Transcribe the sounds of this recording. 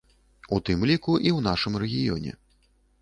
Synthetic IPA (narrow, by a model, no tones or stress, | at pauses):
ut̪ɨmlʲikuʔiwnaʂɨmrɛɣʲijɔ̰nʲɛ̰